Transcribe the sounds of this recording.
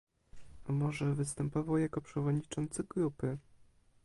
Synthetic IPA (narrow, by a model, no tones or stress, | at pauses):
amɔʐɛvɘst̪ɛmpɔvawjakɔpʂɛvɔd̪ɲit͡ʂɔnt̪sɘɡɾupɘ